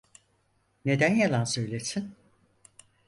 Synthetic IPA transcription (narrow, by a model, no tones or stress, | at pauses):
ne̞d̪ænjalˠansø̞jlʲesin